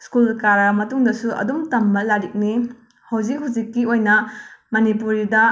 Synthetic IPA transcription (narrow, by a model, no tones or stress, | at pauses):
skulkaɾɐmɐtuŋdɐsuʔɐ̰dumtɐmːɐlaɾik̚ni | hɐwd͡ʒik̚ɦud͡ʒikːiojnɐmɐnipuɾidɐ